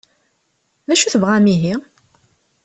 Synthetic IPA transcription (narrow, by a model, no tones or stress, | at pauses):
ðæʃuθəvʁæmiɦi